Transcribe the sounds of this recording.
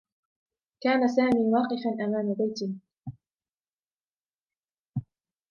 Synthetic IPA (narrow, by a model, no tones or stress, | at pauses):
kaːnasaːmiːwɑːqɪfanʔamaːmabajt̪ɪ